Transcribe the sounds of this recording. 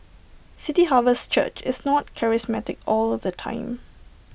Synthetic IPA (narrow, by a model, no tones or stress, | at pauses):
sɪtiɦavəst͡ʃə̰t͡ʃɪsnɔt̚kʰɛɹɪsmɛtɪkɔlɔfdətʰã̰ɪ̃m